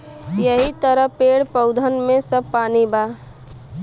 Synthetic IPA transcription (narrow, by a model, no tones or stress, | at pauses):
jəɦit̪əɾəpeːɽpəʊd̪ʱənmẽsəb̚paːniba